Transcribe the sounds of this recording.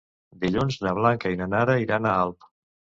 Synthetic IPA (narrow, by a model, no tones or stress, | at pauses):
d̪iʎunznəβ̞laŋkəinanaɾəiɾanaalˠp